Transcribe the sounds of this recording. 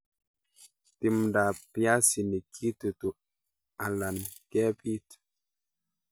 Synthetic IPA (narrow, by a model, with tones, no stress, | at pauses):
ti˨mda˨pja˦si˨nə˨kʰi˦tə˨tu˨ʔ | a˨la˨nkɛ˦pi˦t